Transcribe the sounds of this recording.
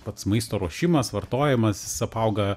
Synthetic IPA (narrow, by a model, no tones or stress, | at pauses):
pɐt̪smɐɪst̪oːɾoɔʃʲɪmɐsʋɐrt̪oːjɛmɐsjɪsɐpɐʊɡɐ